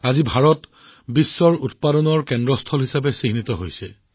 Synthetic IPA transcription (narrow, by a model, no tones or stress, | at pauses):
azibʱaɹɔt | bisːɔɹut̚padɔnɔɹkɛndɹɔstʰɔlɦisabɛsiŋnit̪ɔɦojsɛ̰